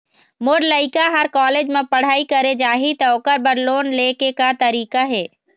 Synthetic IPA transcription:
moːɾləɪkaɦəɾkɔːleːd͡ʒmẽpəɽ̤aːikəɾed͡ʒaːɦit̪ɔːkəɾbəɾloːnleːkekat̪əɾiːkaɦɛː

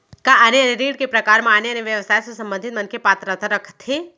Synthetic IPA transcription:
kaʔaneɐneɾiːɽkepɾɐkaːɾmẽaːneɐneʋjɐʋəsaːjsosɐ̃mbə̃nd̪ʱɪt̪mɐnkepaːt̪ɾət̪ʰaɾɐkʰt̪ʰːe

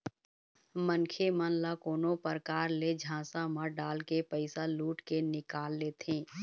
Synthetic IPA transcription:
mənkʰemənlakoːnõpəɾkaːɾled͡ʒʱãːsaməɾɖaːlkepəɪsaluːʈkenɪkaːlːeːt̪ʰẽː

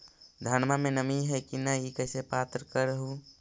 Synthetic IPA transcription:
d̪ʱaːnmamẽnəmiɦɛkinəikəɪsepaːt̪ɾəkəɾəɦu

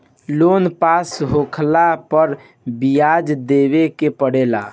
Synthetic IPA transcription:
lonpasɦokʰlapəɾ | bijad͡ʒd̪ebekepəɽela̰

